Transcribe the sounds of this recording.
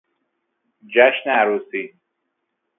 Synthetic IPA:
d͡ʒaʃnaːɾuːsi

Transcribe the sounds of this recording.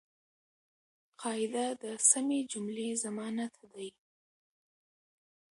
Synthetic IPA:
qʰɑɪd̪ad̪əsamed͡ʒʊmlezamɑnat̪d̪aj

